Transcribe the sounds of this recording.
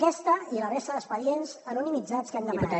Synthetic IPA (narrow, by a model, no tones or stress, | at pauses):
kɛst̪əilərɛsəðəspəʎenzənunimid͡zat͡skɛmd̪əməna